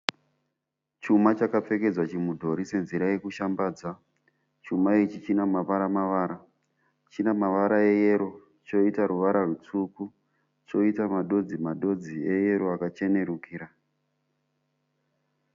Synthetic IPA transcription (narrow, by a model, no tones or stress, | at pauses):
t͡ʃumat͡ʃakap͡fe̞ke̞d͡zwat͡ʃimudʱo̞ɾise̞nziɾaje̞kuʃambaːd͡za | t͡ʃumait͡ʃit͡ʃinamapaɾamaʋaːɾa | t͡ʃinamaʋaɾae̞jeɾo̞ | t͡ʃo̞itaɾuʋaɾarwut͡suku | t͡ʃo̞itamaɗo̞d͡zimaɗo̞d͡zie̞je̞ɾoakat͡ʃe̞ne̞ɾukiːɾa